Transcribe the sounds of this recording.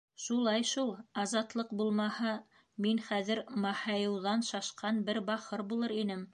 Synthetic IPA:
ʃulˠɑjʃulˠɑzɑt̪lˠɤqbulˠmɑhɑ | minχæðɘ̆ɾmɑhɑjɤ̆wðɑnʃɑʃqɑnbɘɾbɑχɤɾbulˠɤɾinɘm

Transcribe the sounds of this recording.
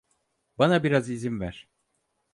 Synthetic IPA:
banabiɾazizimvæɾ̥

